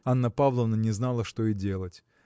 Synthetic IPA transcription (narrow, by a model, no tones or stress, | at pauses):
anːəpavlˠəvnənʲɪznalˠəʂt̪oɪdʲe̞lˠətʲ